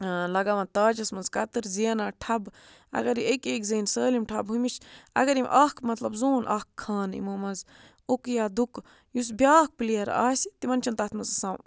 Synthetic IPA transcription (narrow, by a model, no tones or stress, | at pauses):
lɐɡaʋɐnt̪aːd͡ʒɐsmɐnzkɐt̪ɨɾziɐnaːʈʰɐb | ɐ̰ɡɐɾiekeːkzɐːnsəːlimʈʰɐbɦumit͡ʃʰɐ̰ɡɐɾimʔaːkmɐt̪lɐbzoːnʔɐ̰kkʰːaːnḭmoːmɐz | okjaːd̪uk | jus̬bʲjaːk̚pileɐɾa̰ːsit̪imɐnt͡ʃʰɐnt̪ɐt̪mɐzɐsãːw